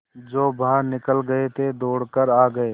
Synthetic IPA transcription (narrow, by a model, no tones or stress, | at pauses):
d͡ʒoːbʱaːɾnɪkəlɡəet̪ʰed̪oːɽkəɾaːɡəeː